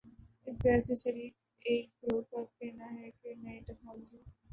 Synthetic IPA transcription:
ɪsbɛːseʃɐɾiːk | eːk̚bɾoːpɐɾkɛɦnaɦɛkenɐeʈɛknɔːlod͡ʒiː

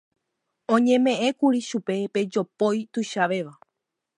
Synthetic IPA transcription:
õ̞ɲẽ̞mẽ̞ʔẽ̞kuɾiʃupe̞pe̞d͡ʒo̞pojt̪uʃaʋe̞ʋa

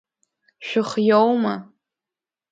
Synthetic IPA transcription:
ʃᶣʊχjowma

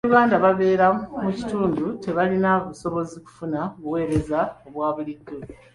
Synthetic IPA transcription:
ɾuɣaːndaβaβe̞ːɾamuci̥tuːndute̞βalinaβuso̞βo̞ziku̥funaβuwe̞ːɾe̞zaoβwaːβuliɡo

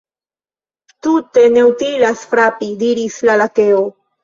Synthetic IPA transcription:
tute̞ne̞utilasfɾapidiɾislalake̞o

